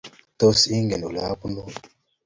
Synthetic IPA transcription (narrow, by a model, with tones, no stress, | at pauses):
t̪o˦si˦ŋɡe˨nu˨la˦pu˦no˦˨